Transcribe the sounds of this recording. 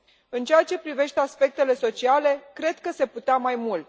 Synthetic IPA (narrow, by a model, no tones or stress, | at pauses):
ɨnt͡ʃeat͡ʃe̞pɾive̞ʃt̪easpe̞k̚t̪e̞le̞so̞t͡ʃiale̞kɾe̞d̪kəse̞put̪eamajmul